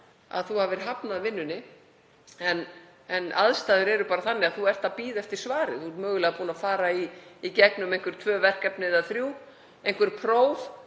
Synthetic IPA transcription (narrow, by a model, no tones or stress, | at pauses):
a̰ðθuhavɪɾ̥ɦapnaðvɪnːʏnːɪ | ɛn | ɛna̰ðst̪aːðɪɾɛɾʏpaːɾaθanːɪaðθuɛr̥t̪aðpiːðɛft̪ɪɾ̥svaːɾɪ̰θumœːɣʏlɛːɣapuːnafaːɾaiːcɛknʏmejŋ̥kvʏɾ̥t̪ʰvœːvɛr̥kɛpnɪðaθɾjuː | ejŋ̥kvɪɾ̥pʰɾoːwð